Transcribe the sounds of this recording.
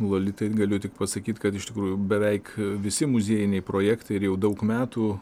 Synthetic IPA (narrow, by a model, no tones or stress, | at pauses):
lˠoːlʲɪt̪ɐɪɡɐlʲɪjt̪ʲɪk̚pɐsɐkʲiːt̪kɐt̪ɪʃt̪ʲɪkɾuːjubʲɛʋʲɛɪkʋʲɪsʲɪmʊzʲiːjɪnʲɛɪpɾoːjɛkt̪ɐɪɪɾjɛʊd̪ɐʊkmʲæːt̪uː